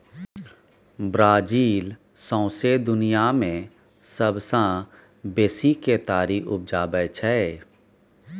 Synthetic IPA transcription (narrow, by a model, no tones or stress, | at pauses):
bɾaːd͡ʒiːl | sɔ̃ːsed̪ʊnijamẽ | səbsã | beːsiket̪aːɾiʔʊb̚d͡ʒaːbəːt͡ʃʰɛe